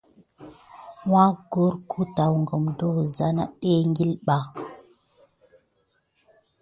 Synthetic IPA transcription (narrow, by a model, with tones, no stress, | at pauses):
wa˦ɡo˦ɾkʰu˦ta˨wŋɡə˨mdo˦wza˦na̰˦ɓe˦ŋɡi˦lɓa˨